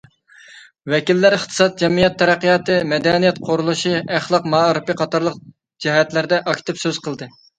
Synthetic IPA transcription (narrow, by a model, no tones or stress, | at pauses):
wɛkʲilːæɾɪχt̪ʰɨ̥sɑt̪̚d͡ʒɛmijɛt̪ʰːɛɾæqːijɑːt̪ɨmɛd̪ɛnijɛt̪qʰoɾulˠuʃiæχlˠɑqmɑːɾɨpɨqʰɑt̪ɑɾlˠəq | d͡ʒihɛt̪læɾd̪ɛʔɑkʲt̪ɨpsøz̥qəlˠd̪ɨ